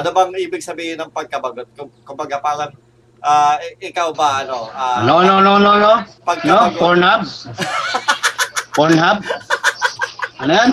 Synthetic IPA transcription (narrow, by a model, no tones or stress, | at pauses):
ɐnobɐŋʔiːbɪɡ̚sɐbiːhɪnɐŋpɐɡ̚kɐbɐɡot̪̚kʊŋkʊmbɐɡapaːɾɐŋ | ʔaːɪʔɪkawbɐʔɐnoʔaːnononononopɐɡ̚k̪ɐoɡpoɹnhab̚ | poɹnhab̚ | ɐnɐjan